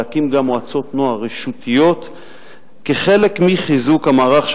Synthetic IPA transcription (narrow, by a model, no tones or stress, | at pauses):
akimɡamoat͡so̞tnoaʁeʃutʰijo̞t̪ | keχe̞le̞kmiχizukhamaːʁaχʃ